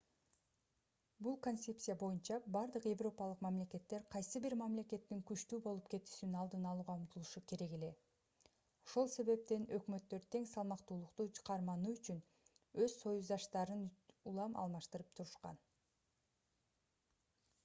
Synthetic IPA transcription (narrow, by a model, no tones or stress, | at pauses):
bulˠko̞nt̪se̞psʲijabo̞junt͡ʃɑbɑɾd̪ɯqje̞vro̞pɑlˠɯqmæmle̞ke̞t̪ːe̞ɾqʰɑjsɯbiɾmæmle̞ke̞t̪ːiŋkyt͡ʃt̪yːbo̞lˠup̚ke̞t̪y̥ʃinɑlˠd̪ɯnɑlˠuːʁɑumt̪ulˠuʃuke̞ɾe̞ɡe̞le̞ | o̞ʃo̞lˠse̞βe̞p̚t̪e̞nø̞kmø̞t̪ːø̞ɾt̪ʰe̞ŋsɑlˠmɑqt̪uːlˠuqt̪ut͡ʃʰqɑɾmɑnuːyt͡ʃyn | øz̥so̞juzd̪ɑʃt̪ɑɾɯnulˠɑmʔɑ̰lˠmɑʃt̪ɯɾɯpt̪ʰuɾuʃqɑ̰n